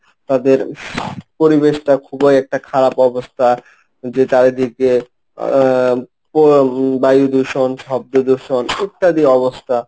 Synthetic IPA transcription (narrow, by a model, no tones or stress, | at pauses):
t̪ad̪eɾ | poɾibeʃʈakʰubejɛk̚ʈakʰaɾapɔbost̪ʰa | d͡ʑet͡ɕaɾed̪ʱike | pobajud̪uʃonʃɔb̚d̪od̪uʃonik̚ʈad̪iɔbost̪ʰa